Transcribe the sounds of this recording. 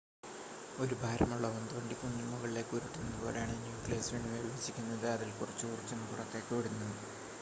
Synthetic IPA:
o̞ɾubʱaːɾɐmuɭːɐʋɐnd̪uʋɐɳɖipunːimuɣɐɭile̞ːkːuɾiʈːunːɐðɨbo̞̰ːɾeaːɳɨnjuːkleːsʋiːɳːuʋeiʋit͡ɕːikʲːunːɐðɨɐðilkurɐt͡ɕːɨkurt͡ɕːenːɨkuɽɐkːeːkːɐʋiɽunːɐðɨ

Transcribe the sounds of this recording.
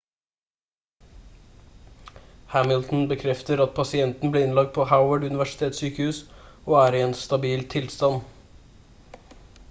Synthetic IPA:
hæmɪlt̪n̩bəkʰɾɛft̪əɾɑt̪̚pʰɑsɪɛnt̪n̩bleːɪnlɑk̚t̪̚pʰoːhaʊwəɖʉnɪʋæʂɪ̥t̪ʰeːt̪syːkəhʉːs | oːæːɾiɛːnst̪ɑbiːlt̪ʰɪlst̪ɑn

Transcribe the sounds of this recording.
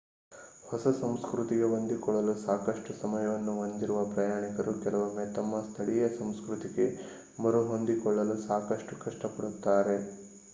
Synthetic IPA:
hɔsɐsɐmskɾut̪iɡe̞ɦond̪ikɔɭːɐlusaːkɐʂʈusɐmɐjɐʋɐnːuɦond̪iɾuʋɐpɾɐjaːɳikɐɾukɛlɐʋɐmːet̪ɐmːɐst̪ʰɐɭijɐsɐmskɾut̪iɡe̞ | mɐɾuɦo̞nd̪ikɔɭːɐlusaːkɐʂʈukɐʂʈɐpɐɽut̪ːaːɾe̞

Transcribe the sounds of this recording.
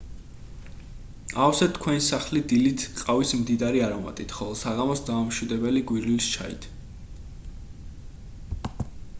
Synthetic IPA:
afsɛt̪ʰkʰwɛnisaχlid̪ilit̪ʰqʼavismd̪id̪aɾiaɾɔma̰t̪ʼit̪ʰχɔlˠɛsaʁamɔsd̪aamʃwid̪ɛbɛliɡwiɾlilst͡ʃʰaḭt̪ʰ

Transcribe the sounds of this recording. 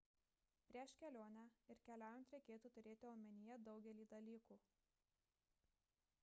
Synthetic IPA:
pʲɾʲiɛʃkʲɛlʲoːnʲæɪɾkʲɛlʲæˑːjɛnt̪ɾʲɛɪkʲeːt̪uːt̪ʊɾʲeːt̪ʲɪoːmʲɛnʲɪjɛd̪ɒʊɡʲɛlʲiːd̪ɐlʲiːkuː

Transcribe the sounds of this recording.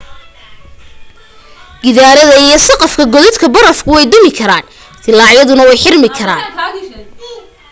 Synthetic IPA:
ɡɪðaːɾɐðɐijɞsɐqɐfkʰɐɡɔðɪd̪kʰɐbɐɾɐfkʰʊwɛjd̪ɔmɪkʰɐɾaːn | t̪ʰɪlɑːʕjɐðʊnɐwɛjħɪrmɪkʰɐɾaːn

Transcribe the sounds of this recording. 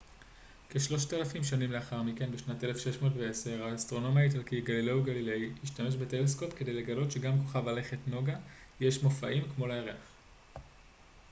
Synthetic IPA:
keʃlo̞ʃtalafimʃanimle̞aχaʁmike̞nbeʃnate̞le̞fʃe̞ʃmo̞ːtveese̞ʁaːstʁo̞no̞miaitalkiɡalileuɡalilejiʃtame̞ʃbe̞telesko̞pkede̞jle̞ɡalo̞tʃe̞ɡamko̞χavlale̞χetno̞ɡaje̞ʃmo̞faʔimkmo̞leeʁeaχ

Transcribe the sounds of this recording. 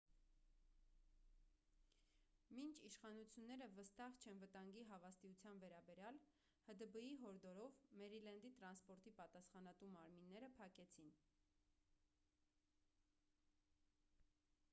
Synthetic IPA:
mint͡ʃʰiʃχɑnut͡sʰjunːɛɾəvəst̪ɑʁt͡ʃʰɛnvət̪ɑŋɡiɦɑvɑst̪iut͡sʰjɑnvɛɾɑbɛɾjɑl | həd̪əbəiɦɔɾd̪ɔɾɔvmɛɾilɛnd̪it̪ɾɑnspɔɾt̪ipɑt̪ɑsχɑnɑt̪umːɑɾminːɛɾəpʰɑkɛt͡sʰin

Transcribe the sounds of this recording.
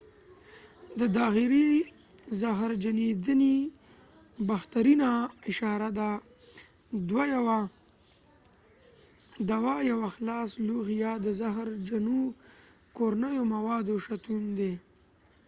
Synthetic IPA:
d̪əd̪ɑɣiɾi | zaɦɾd͡ʒaned̪əni | baxt̪aɾinaɪʃɑɾad̪a | d̪wajwa | d̪awɑjawaxlɑsluɣjad̪əzaɦɾd͡ʒanu | koɾanəjomawɑd̪oʃat̪und̪e

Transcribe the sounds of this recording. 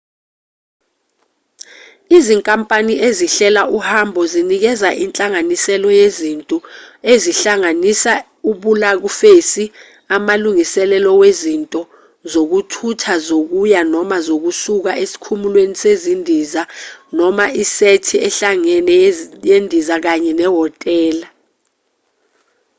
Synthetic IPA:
iziŋkʼampʼaniʔeziɬɛlaʔuhambʱɔzinik̬ɛzaʔint͡ɬʼaŋanisɛlɔjezintʼueziɬaŋanisa | uɓulak̬ufesi | amaluŋisɛlɛlɔwezintʼɔ | zok̬utʰutʰazok̬ujanɔmazok̬usuk̬aʔesi̥kʰumulwenisezindʱizanɔmaʔisetʰiɛɬaŋɛnɛjendʱizak̬aɲɛnɛɦɔtʼɛːla

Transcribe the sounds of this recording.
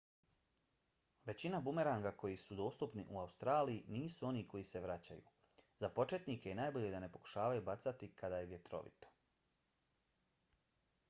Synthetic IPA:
ʋe̞t͡ɕinabume̞ɾaŋɡako̞jisud̪o̞ːst̪upnḭʔuaust̪ɾaːlijiniːsuo̞niːko̞jise̞ʋɾat͡ɕa̰jṵː | zapo̞t͡ʃe̞t̪niːkejenaːjbo̞ʎe̞d̪ane̞po̞ku̥ʃaːʋajubat̪sat̪ikʰad̪aːjeʋje̞t̪ɾo̞̰ʋḭt̪o̥

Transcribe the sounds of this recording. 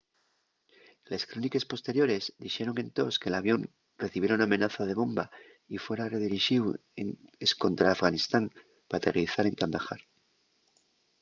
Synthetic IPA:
le̞skɾonike̞spo̞st̪e̞ɾjo̞ɾe̞zd̪ixe̞ɾo̞ŋe̞nt̪o̞ske̞laβjo̞n | re̞θiβje̞ɾauname̞naθað̞e̞βo̞mba | ifwe̞ɾare̞ðiɾiʃiweŋesko̞nt̪ɾaːfɣanist̪aŋ | pat̪eriθaɾe̞ŋkand̪axa̰ɾ

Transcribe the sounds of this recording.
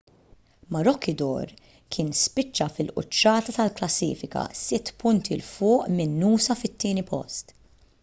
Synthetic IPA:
mɐɾɔkːɪd̪ɔ̰ːɾ | kʰɪːnspɪt͡ʃːɐfɪlʔʊ̰t͡ʃːɐːt̪ɐt̪ɐlklɐsːḭːfɪkɐ̰sɪt̪ːpʊnt̪ʰilfʊːʔmɪnːuːsɐfɪt̪ːɪːnipɔ̰st̪

